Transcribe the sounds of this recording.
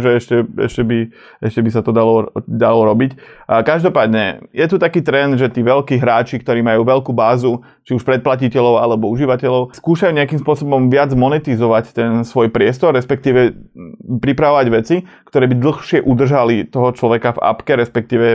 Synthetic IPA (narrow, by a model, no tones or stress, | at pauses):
ʒɛɛʃcɛɛ̰ʃcɛbi | ɛʃcɛbisat̪ɔd̪alɔd̪alɔɾɔbickaʒd̪ɔpaːd̪ɲɛ̰jɛt̪ut̪akiːt̪ɾɛnd̪ʒɛt̪iːʋɛʎkiːɦɾaːt͡ʃikt̪ɔɾiːmajuːʋɛʎkuːbaːzu | t͡ʃiuʃpɾɛt̪̚placicɛʎɔʊalɛbɔuʒiʋacɛʎɔʊskuːʃajuɲɛakimspʊɔsɔbɔmʋɪad͡zmɔnɛt̪izɔʋact̪ɛnsʋɔjpɾɪɛst̪ɔɾːɛspɛk̚t̪iːʋɛ | pɾipɾaʋɔʋaɟʋɛt͡sikt̪ɔɾɛːbid̪l̩xʃɪɛʔud̪r̩ʒalit̪ɔɦɔt͡ʃlɔʋɛkava̰pkɛɾɛspɛk̚t̪iːʋɛ